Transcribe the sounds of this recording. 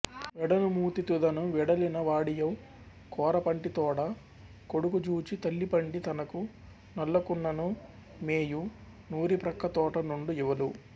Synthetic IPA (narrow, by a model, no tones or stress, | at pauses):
ʋɛɽɐnumuːt̪it̪ud̪ɐnuʋɛɽɐlinɐʋaːɽijɐw | kɔːɾɐpɐɳʈit̪ɔːɽɐ | koɽukud͡ʒuːt͡ʃit̪ɐlːipɐɳʈit̪ɐnɐku | nɐlːɐkunːɐnu | meːju | nuːɾipɾɐkʰːɐt̪ɔːʈɐnuɳɖuiʋɐlu